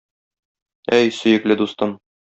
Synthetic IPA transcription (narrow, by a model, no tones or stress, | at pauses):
æjsɵ̆jɘ̆klɘd̪ust̪ɤn